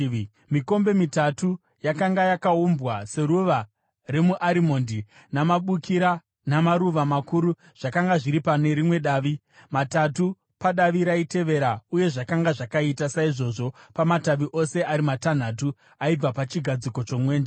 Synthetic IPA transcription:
miko̞mbe̞mitatu | jakaŋɡajakaumbwase̞ɾuʋa | re̞muʔaɾimo̞ːndi | namaɓukiɾa | namaɾuʋamakuɾu | ʐ̥akaŋɡaʐiɾipane̞ɾimwe̞ɗaːʋi | matatu | paɗaʋiɾaite̞ʋe̞ɾauje̞ʐakaŋɡaʐakaitasaiʐo̞ʐo̞pamataʋiʔo̞se̞aɾimatan̤atu | aib͡vapat͡ʃiɡʱad͡ziko̞t͡ʃo̞mwe̞ːnd͡ʒe

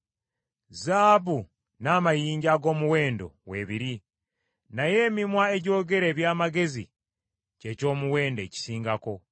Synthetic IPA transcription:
zaːβu | naːmajiːɲɟaɡo̞ːmuwe̞ːndo̞̰we̞βiɾi | naje̞ːmimwae̞ɟo̞ːɡe̞ɾe̞ːβjaːmaɡe̞zḭ | ce̞co̞ːmuwe̞ːnde̞ːci̥siːŋɡako̞

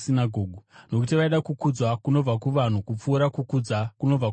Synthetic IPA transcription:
sinaɡʱoːɡʱuno̞kutiʋaiɗakukud͡zwakuno̞b͡vakuʋan̤ukup͡fuːɾakukud͡zakuno̞vak

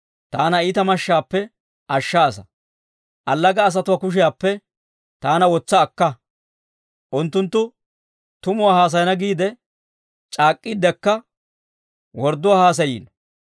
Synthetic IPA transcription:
t̪aːnɐiːt̪ɐmɐʃːaːpːɛ | ʔɐʃːaːsɐ̥ | ʔɐlːɐɡɐːs̬ɐt̪ʊwaːkʊʃ̬ɪjaːpːɛ | t̪aːnɐwɔt͡sːɐːkːɐ | ʔʊnt̪ːʊnt̪ːʊ | t̪ʊmʊwaːhaːs̬ɐjnɐɡiːd̪ɛ | t͡ʃʼaːkʼːid̪ɛkːɐ | wɔɾd̪ʊwaːhaːs̬ɐjḭːnɐ

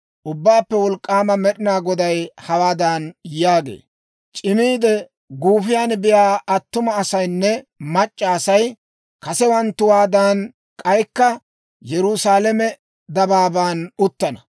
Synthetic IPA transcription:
ʔʊbːaːpːɛwɔlkʼːaːmɐmɛɗɪnaːɡɔd̪ɐjhɐwaːd̪aːnjaːɡḛː | t͡ʃʼɪmiːd̪ɛ | ɡuːfɪjaːnbɪjaːɐt̪ːʊmɐːsɐjnːɛmɐt͡ʃʼːɐːsɐj | kɐsɛwɐnt̪ːʊwaːd̪aːn | kʼɐjkːɐ | jɛɾʊsaːlɛmɛ | d̪ɐbaːbaːnʊt̪ːɐnɐ

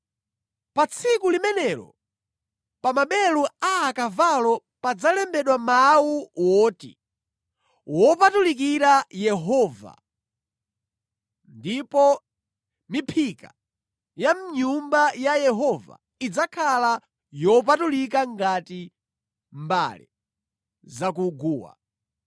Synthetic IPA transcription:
pat͡sʰikulimɛnɛɾɔ̰ | pamaɓɛluaːkavalɔ | pad͡zalɛmbɛɗwamawuwɔːtḭ | wɔpatulik̬iɾajɛɦɔːva̰ | ndipɔ | mipʰika | jam̩ɲumbajajɛɦɔva̰ | id͡zakʰala | jɔp̬atulikaŋɡati | mba̰lḭ | zakuɡuːwa̰

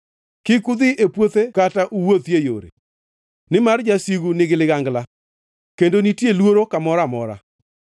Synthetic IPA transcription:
kɪkud̪ɪʔepwot̪ekataʔuwot̪jejo̰ɾḛ | nɪmard͡ʒasiɡunɪɡɪlɪɡaŋɡla | kendonitjelwoɾokamɔɾamɔ̰ɾa̰

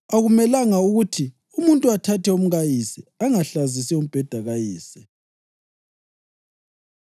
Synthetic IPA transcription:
aɣumɛlaŋauɣutʰi | umuntʼuatʰatʰɛum̩ɣajisɛaŋaɬazisɛum̩b̥ʱɛd̥ʱaɣajiːsɛ

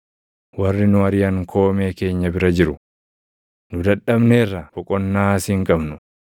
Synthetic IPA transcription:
wɐrːɪnʊɐɾɪjɐŋkʰo̞ːme̞ːke̞ːɲːɐbɪɾɐd͡ʒɪɾʊ | nʊd̪ɐᶑːɐbneːrːɐbɔkʼɔnːaːsɪŋkʼɐbnʊ

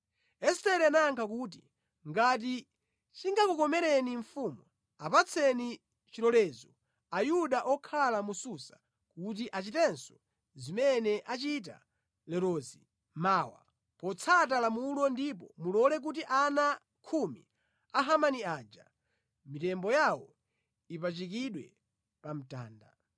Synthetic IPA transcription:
ɛstɛɾɛanaŋkʰak̬ut̬i | ŋɡat̬i | t͡ʃiŋɡakukɔmɛɾɛniɱfuːmu | apat͡sʰɛni | t͡ʃiɾɔlɛːzɔ | ajuɗaʔɔkʰalamususḁ | kut̬iʔat͡ʃitɛnsɔ̥ | zimɛnɛʔat͡ʃit̬a̰ | lɛɾɔːzi | maːwa̰ | pɔt͡sʰat̬alamulɔndip̬ɔmulɔlɛk̬ut̬iʔana | kʰumḭ | aɦamaniaːd͡ʒa̰ | mitɛmbɔjawɔ | ipat͡ʃik̬iɗwɛ | pam̩ta̰ːnda

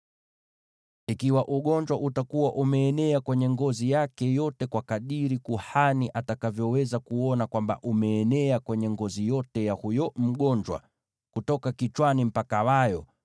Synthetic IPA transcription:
ikiwaʔuɠɔɲd͡ʒwaʔutakuwaʔumɛːnɛakwɛɲɛŋɡɔzijakɛjɔtɛkwakaɗiɾikuhaniʔatakavjɔwɛzakuɔnakwamba̰ʔumɛːnɛakwɛɲɛŋɡɔzijɔtɛjahujɔm̩ɠɔɲd͡ʒwa̰ | kutɔkakit͡ʃwanim̩pakawajɔ

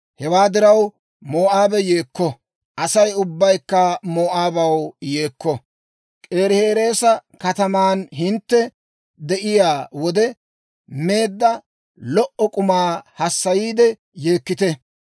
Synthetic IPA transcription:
hɛwaːd̪ɪɾɐw | mo̞ːʔaːbɛje̞ːkːɔ | ʔɐsɐjʊbːɐjkːɐmoːʔaːbɐwje̞ːkːɔ | kʼe̞ːɾɪhe̞ːɾe̞ːsɐkɐt̪ɐmaːnɦɪnt̪ːɛ | d̪ɛʔɪjaːwɔd̪ɛ | me̞ːd̪ːɐ | lɔʔɔkʼʊmaːhɐsːɐjiːd̪ɛ | je̞ːkːɪt̪ɛ

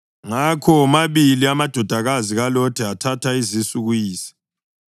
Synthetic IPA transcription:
ŋakʰɔmaβiliamad̥ʱɔd̥ʱaɣaziɣalɔtʰiatʰatʰaizisuɣujiːsi̥

